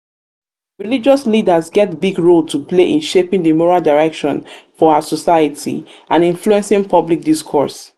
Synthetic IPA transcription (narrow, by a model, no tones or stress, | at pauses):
ɹilid͡ʒɔslidəzɡɛt̚biɡɹolˠtʰupleʔĩnʃepĩŋdimɔɹalˠdaɹɛkʃɔ̃nfɔasɔsaɪətʰḭãnĩnfluɛ̃nsĩŋpʰɔblik̚diskʰɔ̰ɹs